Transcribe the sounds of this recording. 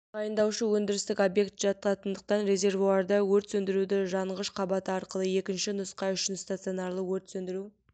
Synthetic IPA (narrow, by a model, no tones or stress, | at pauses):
ɑjənd̪ɑwʃəwɵnd̪ɪɾɪst̪ɪkʲo̞bje̞kt̪ʒ̥ɑt̪ɑt̪ənd̪əq̚t̪ɑnɾe̞zʲe̞rvuɑɾd̪ɑwɵɾt̪sɵnd̪ɪɾud̪ɪʒɑɴʁəʃqʰɑbɑt̪əɑɾqəlˠəje̞kʲɪnʃɪnʊsqɑjʏʃɪnst̪at̪sio̞nɑrlˠəwɵɾt̪sɵnd̪ɪɾu